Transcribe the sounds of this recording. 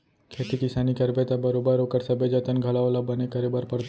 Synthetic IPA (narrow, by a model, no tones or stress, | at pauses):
kʰet̪ikɪsanikɐɾbet̪abɐɾobəɾokəɽsɐbed͡ʒat̪ənɡʱɐɭaolabɐnekɐɾebəɾpɐɽt̪